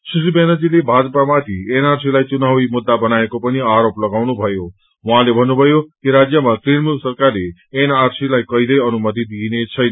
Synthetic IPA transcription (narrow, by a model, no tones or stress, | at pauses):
susibenʌd͡zilebʱad͡zʌpamat̪ʰienarsilajt͡sunawimud̪ːabʌnaekopʌniaɾoplʌɡawnubʱʌjo | waɦãlebʱʌnːubʱʌjokiɾad͡zjʌmat̪ɾinmulsʌrkarleenarsilajkʌilʌjʌnumʌt̪̬id̪inet͡sʰʌjn